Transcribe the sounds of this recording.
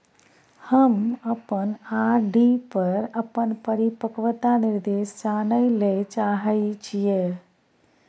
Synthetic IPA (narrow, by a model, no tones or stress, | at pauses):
həməpənaɖipəɾəpənpəɾipəkʋt̪aniɾd̪esd͡ʒanəjlet͡ʃaɦəɪt͡ʃʰije